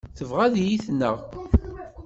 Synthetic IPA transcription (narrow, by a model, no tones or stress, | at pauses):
θəvʁæðjiθnːəʁ